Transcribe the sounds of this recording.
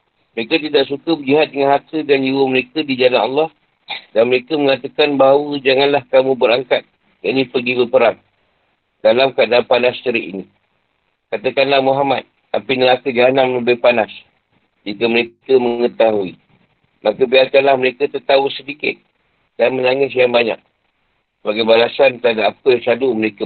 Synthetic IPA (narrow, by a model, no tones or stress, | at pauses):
məɾekat̪̬idaʔsukəbəliɦat̪̚dəŋanhat̪ədand͡ʒiwəməɾekədid͡ʒalanɑlːɑh | danməɾekəməŋat̪akanbaɦawəd͡ʒaŋanlahkamũbəɾaŋkat̪̚ | jaʔnĩpəɡibəpəɾaŋ | d̥alamkadalampanast͡ʃəɾiʔḭni | kat̪əkanlahmuɦamat̪̚ | apinəlakəd͡ʒianaʔmələbipanas | d͡ʒikəməɾekəməŋət̪aɦui | makəbiarkanlahməɾekat̪ərt̪ausədikɪ̰t̪̚ | d̥anmənaŋɪs̬jaŋbaɲa̰k̚ | səbaɡajbalasant̪adaːpəsaduməɾeka